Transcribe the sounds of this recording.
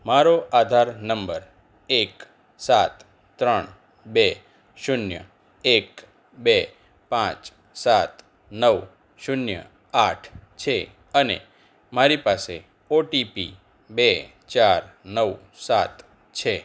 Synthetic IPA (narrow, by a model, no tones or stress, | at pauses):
maɾoʔad̪ʱaɾnəmbəɾ | ek | sat̪ | t̪ɾəɳ | be | ʃunjə̰ | ek | be | pãt͡ʃ | sat̪ | nəʋ | ʃunjə̰ | aʈʰt͡ʃʰe | ənḛ | maɾipase | oʈipḭ | be | t͡ʃaɾnəw | sat̪ | t͡ʃʰe